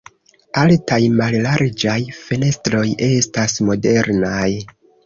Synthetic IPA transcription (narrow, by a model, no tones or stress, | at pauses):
altajmallaɾd͡ʒajfe̞ne̞stɾo̞je̞stasmo̞de̞ɾnaj